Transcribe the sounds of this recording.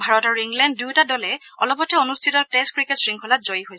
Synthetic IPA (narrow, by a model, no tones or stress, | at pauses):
bʱaɹɔtaɹuiŋɡlɛnd̚dutadɔlɛ | ɔ̰lɔpɔtʰɛonustʰitɔteskɹiketsɹiŋkʰɔlat̚zojiɦojsɛ